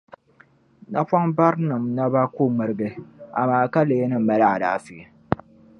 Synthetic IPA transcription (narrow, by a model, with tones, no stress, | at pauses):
na˦pɔ˦ŋba˦ɾnɨ˨mna˦ba˦ku˦mɨ˨ɾɨ˦ɡɨ˦a̰˨maː˦ka˦le˨˦e˦nɨ˦˨m̩˨ma˦la˦a˨daː˨fi˨e˨